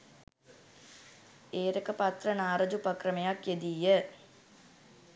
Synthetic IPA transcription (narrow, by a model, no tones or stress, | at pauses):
eːɾəkəpat̪rənaːɾɐd͡ʒupɐkrəmejakjed̪iːjə